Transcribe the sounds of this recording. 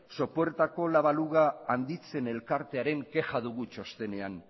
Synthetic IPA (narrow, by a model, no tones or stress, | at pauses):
so̞poeɾt̪ako̞laβ̞aluɣaːnd̪it͡se̞ne̞lkaɾt̪e̞aɾe̞ŋke̞xaðuɣut͡ʃo̞st̪e̞ne̞an